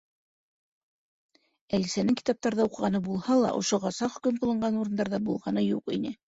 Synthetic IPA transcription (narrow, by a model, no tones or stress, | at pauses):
ælisænɘŋki̥t̪ɑp̚t̪ɑɾðɑuqɤ̆ʁɑnɤbulˠhɑlˠɑ̰ʔŏ̰ʃoʁɑsɑχɵ̆kɵmqŏlˠɤ̆ɴɢɑnuɾɤ̆nd̪ɑɾðɑbulˠʁɑnɤjuqḭnɘ